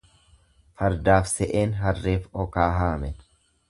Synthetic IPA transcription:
fɐɾd̪aːfsɛʔeːnɦɐrːeːfɔkaːɦaːmɛn

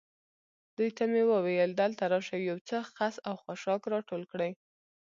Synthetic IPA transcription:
d̪̥ujt̪amewəwajəld̪alt̪aɾɑʃawjawt͡səxasawxaʃɑkɾɑʈolkɽəj

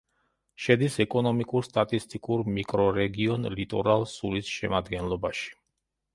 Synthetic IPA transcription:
ʃɛd̪isɛkʼɔnɔmikʼuɾst̪ʼat̪ʼist̪ʼikʼuɾmikʼɾɔɾɛɡiɔnlit̪ʼɔɾalˠsulisʃɛ̰mad̪ɡɛnlˠɔbaʃi̥

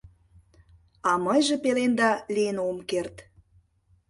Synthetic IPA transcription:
ɑməjʒĕpelend̪ɑlijənomkert̪

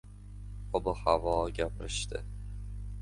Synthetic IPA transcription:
ɒbʊhavɒɡʲapʰɪɾɪʃt̪ɪ̰

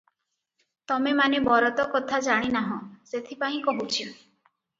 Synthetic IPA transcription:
t̪ɔmemanebɔɾɔt̪ɔkɔt̪ʰad͡ʒaɽ̃inaɦɔ̃set̪ʰipaɦĩkɔɦut͡ʃʰi

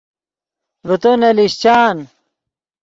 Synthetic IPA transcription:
ɾut̪onɐliɕt͡ɕaːn

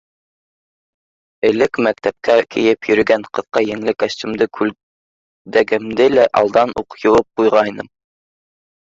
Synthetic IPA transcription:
ɘ̆lɘkmæk̚t̪æp̚kækʰḭ̆jɘpjɵ̆ɾɵ̆ɡæɴqɤ̆ðqɑjɘ̆ŋlɘkæst̪ɘ̆md̪ɘkʰʉl | d̪æɡɘ̆md̪ɘlæʔɑ̰lˠd̪ɑnuqjŏwɤp̚qujʁɑjnɤm

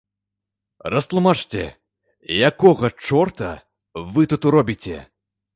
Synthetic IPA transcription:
rɐst̪lˠumat͡ʂt͡sʲɛ̰ | jakɔɣɐt͡ʂɔrt̪ɐ̰ | vɨt̪ut̪uɾɔbʲit͡sʲɛ̰

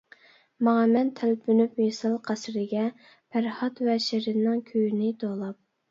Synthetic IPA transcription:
mɑɑmɛnt̪ʰælpʰynypmesɑlˠqʰæsɾɪɡʲɛ | pʰæɾhɑt̪vɛʃɪɾɪnɪŋkʲʰøjynɪt̪olˠɑp̚

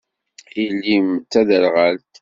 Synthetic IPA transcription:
ilːimt͡sːæðəlʁælt̪

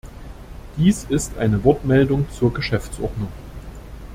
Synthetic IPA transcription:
d̥iːsɪstʔa̰ɪnəvɔɐtmɛldʊŋt͡suːɐɡəʃɛft͡sʔɔɐdnʊŋ

